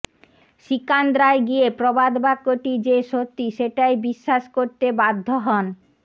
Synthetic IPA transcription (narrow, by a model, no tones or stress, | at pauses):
ʃikand̪ɾaeɡijepɾobad̪bakːoʈid͡ʑeʃot̪ːiʃeʈajbiʃːaʃkoɾt̪ebad̪ʱːoɦɔn